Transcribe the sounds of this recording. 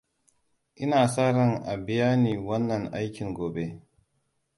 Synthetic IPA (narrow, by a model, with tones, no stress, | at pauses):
ʔɪ˦naː˨saː˦ɾɐ˦ŋʔa˨bɪ˨jaː˦niː˨wɐ˦nːɐ˨ŋʔa˦jkʲɪ˨ŋɡoː˨be˦